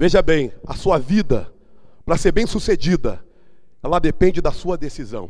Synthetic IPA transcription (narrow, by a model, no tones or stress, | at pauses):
veʒɐbẽj̃ɐ̰suɐvid̪ɐ | pɾɐseɾbẽj̃sused͡ʒid̪ɐ | ɛlɐd̪epẽnd͡ʒɪd̪ɐsuɐd̪esizɐ̰̃w̃